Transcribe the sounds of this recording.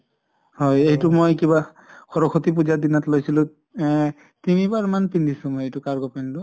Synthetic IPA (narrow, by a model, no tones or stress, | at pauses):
hɔjeɦjtumojkiβa | xʰɔɹɔkxʰɔt̪ipuzadinatlojsilʊ̃ | timibaɹmanpindʱisũmojejtukaɹɡɔpɛntʊ